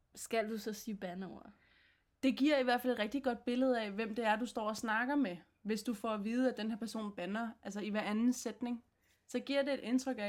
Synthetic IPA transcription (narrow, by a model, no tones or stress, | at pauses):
sɡ̥æl̰d̥usɒ̽siːb̥ænəoʊɐ | d̥e̝ɡ̥iɐ̰iʋæɐ̰fæle̝̥ʁɛɡ̥̚d̥iɡ̥ɒ̽d̥̚b̥e̝ləð̞̩ˠæʋem̰d̥e̝æɐd̥usd̥ɒ̰ːɒsnɑ̈ɡ̥ɐme | ʋe̝sd̥ufɒʋiːð̞ˠæd̥enheɐpʰæɐso̝̰ːnb̥ænɐʔælsɐiʋæɐænn̩sed̥ne̝ŋ | sɒ̽ɡ̥iɐ̰de̝ːd̥e̝nt͡sʰʁœɡ̥æ